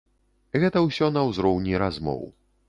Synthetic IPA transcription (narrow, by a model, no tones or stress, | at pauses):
ɣɛt̪ɐwsʲɔnɐwzɾɔwnʲiɾazmɔ̰w